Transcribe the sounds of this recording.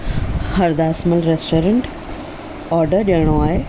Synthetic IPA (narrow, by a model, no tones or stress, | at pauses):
hɐɾd̪aːsməlɾesʈoːɾə̃ɳʈ | ɔːɾɖəɾɗɐɽ̃oaːɦe